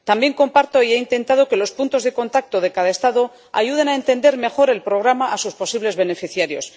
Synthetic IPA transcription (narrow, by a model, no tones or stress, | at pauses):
t̪ambje̞ŋko̞mpaɾt̪o̞ie̞int̪e̞nt̪að̞o̞ke̞lo̞spunt̪o̞zðe̞ko̞nt̪ak̚t̪o̞ðe̞kaðae̞st̪aðo̞ | a̰ʝuð̞e̞nae̞nt̪e̞nd̪e̞ɾme̞xo̞ɾe̞lpɾo̞ɣ̞ɾamaʔːsuspo̞siβle̞zβe̞ne̞fiθjaɾjo̞s